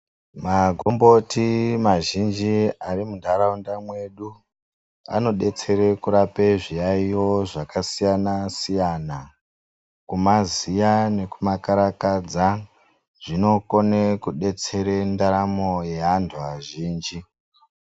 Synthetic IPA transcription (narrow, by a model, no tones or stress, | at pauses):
maɡʱombo̞timaʒind͡ʒiarimundʱaɾaundamwe̞ɗu | a̰no̞ɗe̞t͡se̞ɾe̞kuɾape̞ʐijaijo̞ʐakasijanasijana | kumazijane̞kumakaɾakad͡za | ʐ̥ino̞ko̞nekuɗe̞t͡se̞ɾendaɾamoje̞ɦandʰʱuaʒiːnd͡ʒi